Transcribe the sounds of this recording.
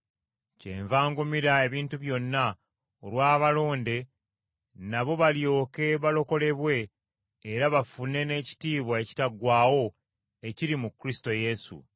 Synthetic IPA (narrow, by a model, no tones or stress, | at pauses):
ce̞̰ːɱvaːŋɡumiɾae̞βiːntuβjo̞nːa | olwaːβalo̞ːnde̞ | naβo̞βaljo̞ːke̞βalo̞ko̞le̞βwe̞ː | ɾaβafune̞ne̞ːci̥tiːβwaeci̥taɡwaːwo̞ | e̞ciɾimukɾisi̥to̞je̞sṵ